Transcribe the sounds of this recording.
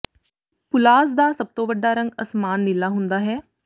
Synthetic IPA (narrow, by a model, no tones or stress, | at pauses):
pʊlaːsd̪aːsəb̚t̪õːʋəɖːaːɾə̃ŋɡəsmaːnːɪlːaːɦʊnd̪aːɦɛː